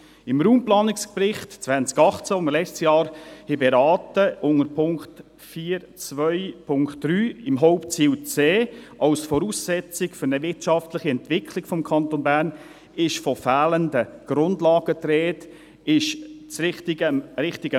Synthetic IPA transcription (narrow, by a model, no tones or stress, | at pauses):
ɪmɾuːmplɑːnɪksprɪχtt͡sʋænt͡skɑχt͡səʊməlɛt͡stjɑːɾhɛbɛɾɑːtəʔʊŋəɾpʰʊŋkt | fiːɾ | t͡sʋœɪpʰʊŋkt̚d̥ryːɪmɦɔʊpt͡siːʊt͡seːʔɑwsfɔɾuːsːɛt͡sɪkfʏɾnəvɪtt͡ʃɑftlɪχiɛntvɪkʰlɪkfɔmkʰɑntonbæːɾn | ɪʃfɔfæːləndəɡ̥ɾʊndlɑːɡətɾɛːt | ɪʃt͡sɾɪχtɪɡəɾɪχtɪɡə